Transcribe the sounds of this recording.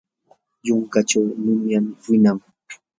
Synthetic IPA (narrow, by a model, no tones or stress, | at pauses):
jʊŋkat͡ʃawnʊmjamwɪnaŋ